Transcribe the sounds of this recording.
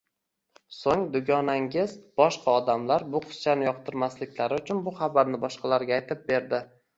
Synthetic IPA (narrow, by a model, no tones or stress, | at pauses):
soŋd̪ʊɡʲɒnaŋɡʲɪzb̥ɒʃqʰɑɒd̪amlaɾbʊqʰʊ̥st͡ʃʰanɪjɒqt̪ʰɪɾmaslɪkʲlaɾɪʊt͡ʃʰʊnbʊχabaɾnɪbɒʃqʰɑlaɾɡʲaːjt̪ʰɪp̚be̞ɾd̪ɪ